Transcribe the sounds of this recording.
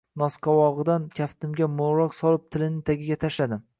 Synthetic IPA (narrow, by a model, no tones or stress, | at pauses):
nɒsqʰɑwɒʁɨd̪ankʲʰaft̪ɪmɡʲamoɾɒqsɒlˠɪp̚t̪ʰɪlɪnɪt̪ʰaɡʲɪɡʲat̪ʰaʃlad̪ɪm